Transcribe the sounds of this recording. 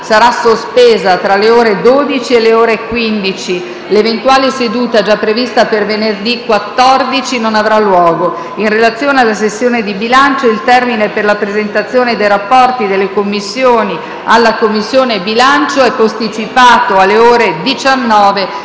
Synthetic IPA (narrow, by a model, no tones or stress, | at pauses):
saɾasospeːzat̪ɾaleoːɾed̪od̪it͡ʃielːeoːɾekwind̪it͡ʃi | levent̪waːlesed̪uːt̪aɛd͡ʒapːɾevist̪apervenerd̪ikwat̪ːɔrd̪it͡ʃinonavɾalːwɔːɡo | inrelat̪sːjoːnealːas̬esːjoːned̪ibilant͡ʃoilt̪ɛrmineperlapɾezent̪at̪sːjoːned̪ejɾapːɔrt̪id̪elːekomːisːjoːni | alːakomːisːjoːnebilant͡ʃoɛpːost̪it͡ʃipaːt̪oalːeoːɾed̪it͡ʃanːɔːve